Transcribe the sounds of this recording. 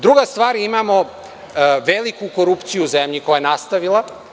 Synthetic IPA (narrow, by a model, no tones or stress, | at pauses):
d̪ɾuɡast̪ʋaːɾimamo | ʋelikukoɾupt̪sijuːzemʎikojajenast̪aʋilˠa